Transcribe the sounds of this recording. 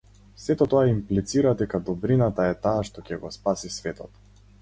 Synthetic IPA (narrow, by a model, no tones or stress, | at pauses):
sɛt̪ɔt̪ɔaimplit̪siɾad̪ɛkad̪ɔbɾinat̪aɛt̪aːʃt̪ɔcɛɡɔspasisvɛt̪ɔt̪